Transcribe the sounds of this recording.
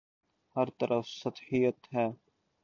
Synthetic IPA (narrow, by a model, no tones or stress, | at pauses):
hɐɾt̪ɐɾʔəfsɐt̪ħijət̪ɦɛː